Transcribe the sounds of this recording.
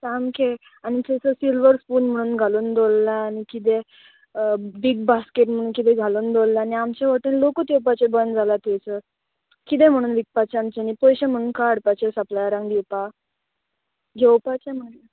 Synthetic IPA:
samkʰe | anit̪esəsilʋəɾspuːnm̤əɽ̃uːnɡʱaluːnd̪olːaːnikit̪̬e | biɡ̚baskeʈm̤əɽ̃uːnkit̪̬ẽɡʱaluːnd̪olːaːniamt͡ɕeʋəʈunlokət̪ewpat͡ɕebənd͡zʱalat̪esə | kit̪̬ẽm̤əɽ̃uːnʋik̚pat͡ɕamt͡ɕeanipɔjɕam̤əɽ̃uːnkaəɽpat͡ɕesəplajaɾãŋɡɡ̪iwpa | ɡʱewpat͡ɕem̤ələ

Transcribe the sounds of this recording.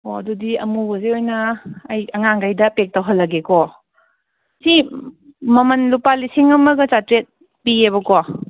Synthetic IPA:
oɐdudiɐmubozeojnɐːjɐŋaŋɡajdɐpek̚tɐwɦɐlːɐɡekɔ | si | mɐmɐnlupalisiŋɐmɐɡɐt͡ʃatɾet̚ | pieβɐkɔ

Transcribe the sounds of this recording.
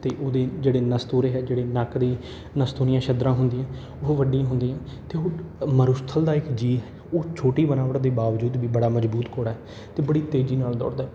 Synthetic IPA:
t̪eːʔoːd̪eːd͡ʒeːɽeːnəst̪uːɾeːɦɛːd͡ʒeːɽeːnəkd̪iː | nəst̪uːnɪjãːʃʰəd̪ɾãːɦʊnd̪iːɛ̃ː | oːʋəɖĩɦʊ̃nd̪iːɛ̃ːt̪eːoːməɾʊst̪ʰəld̪aːɪkd͡ʒiːɦɛ | oːt͡ʃʰoːʈiːbənaːʋəʈd̪iːbaːʋd͡ʒuːd̪ʋiːbəɽaːməd͡ʒbuːt̪koːɽaːɦɛː | t̪eːbəɽiːt̪eːd͡ʒiːnaːld̪ɔ̰ːɽd̪aː

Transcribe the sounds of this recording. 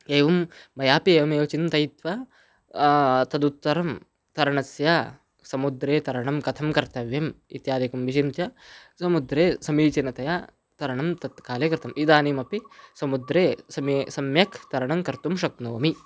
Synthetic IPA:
eːʋɐmːɐjaːpieːʋɐmeːʋɐt͡ʃint̪ɐjt̪ʋɐ | t̪ɐd̪ut̪ːɐɾɐm | t̪ɐɾɐɳɐsja | sɐmud̪ɾeːt̪ɐɾɐɳɐmkɐt̪ʰɐmkɐɾt̪ɐʋjɐmḭt̪jaːd̪ikɐmʋiʃint̪jɐsɐmud̪ɾeːsɐmiːt͡ʃɐnɐt̪ɐja | t̪ɐɾɐɳɐmt̪ɐt̪kaːlɐkɾɪt̪ʰɐmʔid̪aːnimɐpisɐmud̪ɾeːsɐmsɐmjɐkʰt̪ɐɾɐɳɐmkɐɾt̪umʃɐk̚noːmi

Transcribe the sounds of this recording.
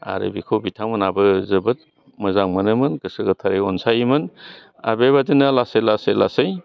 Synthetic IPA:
a̰ɾɯ̰bikʰowbitʰaŋmɯnabɯzɯbɐt̚ | mɐzaŋmɐnɯmɯnɡɯsɯɡɐt̪ʰaɾeɔnsajimɯn | a̰beβadinalasejlasejlasɯj

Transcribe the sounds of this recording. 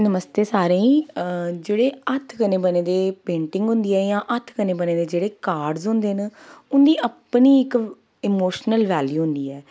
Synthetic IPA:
nəməst̪eːsaːɾẽːĩːd͡ʒeːɽeːət̪ʰkənẽːbəneːd̪eːpẽːɳʈɪ̃ŋɡɦʊ̃nd̪iːɛːjãːʔət̪ʰkəneːbəneːd̪eːd͡ʒeːɽeːkaːɾɖzɦʊ̃nd̪eːənʊnd̪iːəpniːɪk | ɪmoːʃnəlʋɛːljuːɦʊ̃nd̪iːɛː

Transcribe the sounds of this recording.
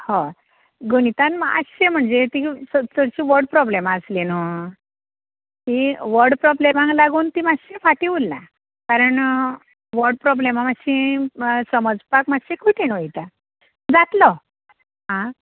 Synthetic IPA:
ho | ɡunit̪ãnmaə̰sɕem̤əɳd͡zet̪isət͡səɽɕiːʋəɾɖ̚pɾɔblemaəslino | k̪iʋəɾɖpɾɔblemãŋɡlaɡuːnt̪imaɕefaʈiulːa | kaɾəɳ | ʋəɾɖ̚pɾɔblemamaɕĩsəməd͡zpakmaɕekuʈʰenojit̪a | d͡zat̪lɔ | ɦã

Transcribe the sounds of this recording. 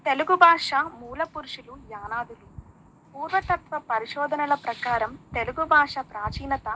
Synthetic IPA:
t̪e̞luɡubʱaːʂɐmuːlɐpuɾuʂulujaːnaːd̪ulu | puːɾʋɐt̪ɐt̪ʋɐpɐɾiʂɔːd̪ʱɐnɐlɐpɾɐkaːɾɐmt̪eluɡubʱaːʂɐpɾaːt͡ʃiːnɐt̪ɐ

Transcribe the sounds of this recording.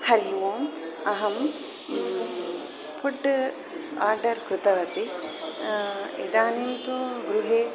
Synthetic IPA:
hɐɾiʋoːmɐɦɐm | pʰuɖ | aːɾɖɐɾkɾut̪ɐʋɐt̪i | ḛd̪aːneːmt̪uɡɾuɦeː

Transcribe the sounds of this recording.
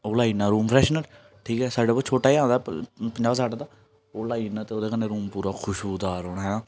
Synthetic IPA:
oːlaːinãːɾuːmpʰɾɛːʃnəl | ʈʰiːkɦɛːsaːɖaːpoːt͡ʃʰoːʈaːiãːnd̪a̰ːpəɲd͡ʒaːbsaːɖaːd̪aː | oːlaːiːnãːt̪eːoːd̪eːkənːeɾuːmpuːɾaːkʰʊʃoːd̪aːɾoːɽɦɛːnãː

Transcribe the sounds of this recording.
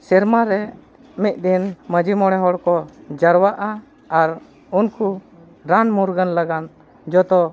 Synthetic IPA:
sɛɾmaɾɛ | mit̪̚ˀd̪inməd͡ʒimɔɽ̃ɛɦɔɽkɔd͡ʒəɾwaʔa | aɾ | unku | ɾanmuɾɡənlaɡan | d͡ʒɔt̪ɔ

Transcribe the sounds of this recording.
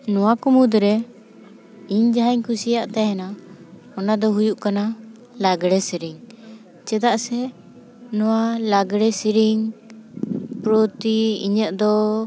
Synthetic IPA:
nɔwakɔmud̪ɾɛ | iɲd͡ʒaɦaɲkʰusijaʔt̪ɛɦɛna | ɔnad̪ɔɦujuʔkana | laɡɽɛsiɾiŋ | t͡ʃɛd̪aʔsɛ | nɔwalaɡɽɛsiɾiŋ | pɾɔt̪iḭɲət̪̚d̪ɔ

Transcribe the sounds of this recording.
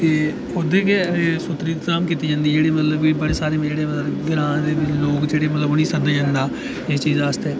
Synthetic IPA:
t̪eː | ʊd̪eːkeeːsʊt̪ːɾiːt̪zaːmkiːt̪ːiːd͡ʒãːnd̪iːd͡ʒeːɽeːmət̪ləbiːbəɽeːsaːɾeːd͡ʒeːɽeːmət̪ləɡɪɾãːd̪eːbɪloːkd͡ʒeːɽeːmət̪ləbonĩːsəd̪ẽə̃nd̪aː | eːt͡ʃiːzaːst̪eː

